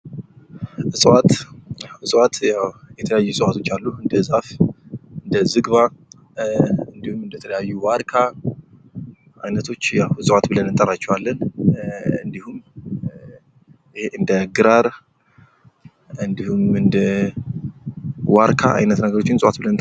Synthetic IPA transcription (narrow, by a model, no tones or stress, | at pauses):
ɨsʼwat̪ɨsʼwat̪jawjɛt̪ʰələjajːusʼɨhat̪ʰo̞t͡ʃːalːuɨnd̪əzafɨnd̪əzɨɡβa | ɨnd̪ihumɨnd̪ət̪ʰələjajːuwaɾkʰa | ʔajnət̪ʰo̞t͡ʃːjawɨsʼwat̪bɨlənɨnt̪ʼəɾat͡ʃːɛwalːən | ɨnd̪ihum | heɨnd̪əɡɨɾaɾ | ɨnd̪ihumɨnd̪ə | waɾkʰa̰ʔa̰jnət̪nəɡəɾo̞t͡ʃːɪnsʼwat̪̚bɨlənt̪ʼ